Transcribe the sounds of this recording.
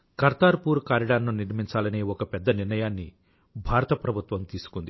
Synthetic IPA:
kɐɾt̪aːɾpuːɾkaːɾiɽaːɾnuniɾmiɲt͡ʃaːlɐneːɔkɐpɛd̪ːɐniɾnɐjaːnːi | bʱaːɾɐt̪ɐpɾɐbʱut̪ʋɐmt̪iːsu̥kund̪i

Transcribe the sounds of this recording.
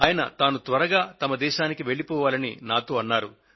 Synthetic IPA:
ɐaːjɐnɐ̰t̪aːnut̪ʋɐɾɐɡaːt̪ɐmɐd̪ɛːʃaːnikiʋe̞ɭːipɔːʋaːlɐninaːt̪o̞ːɐnːaːɾṵ

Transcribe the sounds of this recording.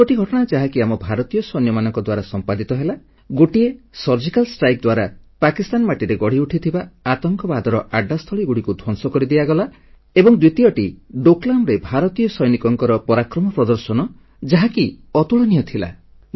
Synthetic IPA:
koʈiɡʱɔʈɔɽ̃ad͡ʒaɦakiamɔbʱaɾɔt̪ijɔsɔjnjɔmanɔŋkɔd̪waɾasɔmpad̪it̪ɔɦela | ɡoʈiesɔɾd͡ʒikalsʈɾajk̚d̪waɾapakist̪anmaʈiɾeɡɔɽ̤iuʈʰit̪ʰibaat̪ɔŋkɔbad̪ɔɾɔʔaɖast̪ʰɔɭiɡuɽikud̪ʱwɔnsɔkɔɾid̪iaɡɔla | ebɔŋd̪wit̪ijɔʈiɖoklamɾebʱaɾɔt̪ijɔsɔjnikɔŋkɔɾɔpɔɾakɾɔmɔpɾɔd̪ɔɾsɔnɔ | d͡ʒaɦakiɔt̪uɭɔnijɔt̪ʰila̰

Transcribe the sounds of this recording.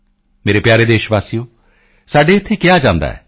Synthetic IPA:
meːɾepjaːɾed̪eːʃbaːsijo | saːɖeːt̪ʰːekɪjad͡ʒãːnd̪a̰ɦɛ̰

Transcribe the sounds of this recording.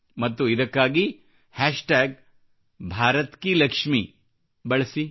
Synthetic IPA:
mɐt̪ːuid̪ɐkːaːɡi | hæːʂʈaːɡ̚ | bʱaːɾɐt̪kilɐkʂmi | bɐɭɐsi

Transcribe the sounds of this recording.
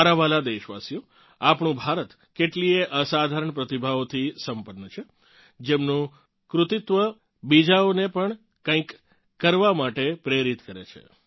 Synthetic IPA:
aɾaʋalad̪eʃʋa̰sijo | apɳũbʱaɾət̪ | keʈlieʔəsad̪ʱaɾəɳpɾət̪ibʱaʋot̪ʰisəmpənːət͡ʃʰe | d͡ʒemnũ | kɾʊt̪it̪ʋə | bid͡ʒaonepəɳ | kãĩkː | əɾʋamaʈepɾeɾit̪kəɾḛt͡ʃʰḛ

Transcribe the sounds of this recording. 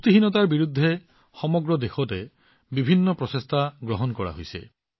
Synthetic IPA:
ut̪iɦinɔt̪aɹbiɾud̪ʱːe | xɔmɔɡɹɔd̪exɔte | bibʱinːɔpɹɔsest̪ʰaɡɹɔɦɔnkɔɹa̰ɦojsḛ

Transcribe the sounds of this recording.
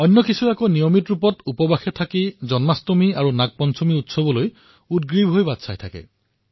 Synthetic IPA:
ɔnːɔkisuakɔnijɔmitɹupɔtupɔbaxɛtʰakizɔnmastomiaɹunak̚pɔnsomiutsɔbɔloj | ut̚ɡɹibʱɦojbatsʰajtʰakɛ̰

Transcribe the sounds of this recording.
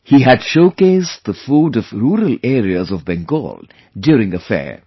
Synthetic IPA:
hiɦædʃoʊkeɪsd̚d̪əfuːɖɔvɾuːɾəleːɾiəzɔvbɛ̃ŋɡo̰ːl | ɖjuːɾɪ̃ŋəfɛ̰ːɹ

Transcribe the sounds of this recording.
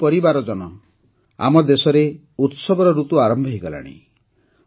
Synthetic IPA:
pɔɾibaɾɔd͡ʒɔnɔ | a̰mɔd̪esɔɾe | ut̪sɔbɔɾɔɾut̪uaɾɔmbʱɔɦiɡɔla̰ɽ̃ḭ

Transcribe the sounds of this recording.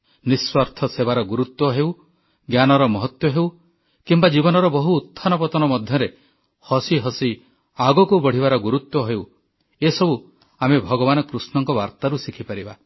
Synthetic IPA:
niswaɾt̪ʰɔsebaɾɔɡuɾut̪wɔɦew | ɡjanɔɾɔmɔɦɔt̪wɔɦew | kimbad͡ʒibɔnɔɾɔbɔɦuːt̪ʰːanɔpɔt̪ɔnɔmɔd̪ʱjɔɾe | hɔsiɦɔsi | aɡɔkubɔɽ̤iβaɾɔɡuɾut̪wɔɦew | esɔbu | amebʱɔɡɔβanɔkɾusnɔŋkɔbaɾt̪aɾusikʰipaɾiba

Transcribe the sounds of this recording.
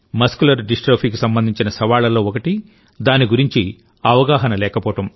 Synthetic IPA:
mɐskulɐɾɖisʈɾoːpʰiːk̬usɐmbɐnd̪ʱiɲt͡ʃinɐsɐʋaːlɐlo̞ːɔkɐʈi | d̪aːniɡuɾiɲt͡ʃi | ɐʋɐɡaːɦɐnɐlɛːkɐpɔːʈɐm

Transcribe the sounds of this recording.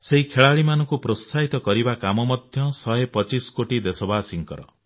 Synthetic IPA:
seɦikʰeɭaɭimanɔ̃ŋkupɾost̪ʰaɦit̪ɔkɔɾibakamɔmɔd̪ʱjɔsɔepɔt͡ʃiskoʈid̪esɔbasiŋkɔɾɔ̰

